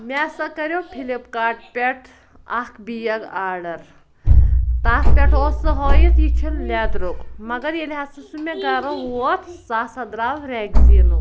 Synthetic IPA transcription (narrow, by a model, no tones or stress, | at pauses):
mʲesɐkɐɾʲjoːpʰilipkaːʈ̚pʲeʈʰ | ɐkbijɐɡaːɖɐɾ | t̪aːspʲeʈʰoːsɐɦoːjit̪jit͡ʃʰillʲaːd̪ɾokmɐɡɐɾjelʲɦasɐsumʲeɡɐɾɐot̪ʰsaːsɐd̪ɾaːʋɾeɡzinu